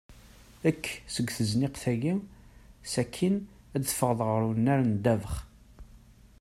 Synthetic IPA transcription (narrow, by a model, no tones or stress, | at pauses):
ækːsəɡʷθəznɪqθæʝimsækʰːin | æd̪θfəʁðˤʁəɾunːæɾnd̪ævəχ